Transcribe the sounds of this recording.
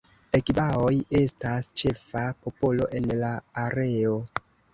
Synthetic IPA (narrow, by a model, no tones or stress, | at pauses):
ekibaoje̞stast͡ʃe̞fapo̞po̞lo̞ʔe̞nlaːɾe̞o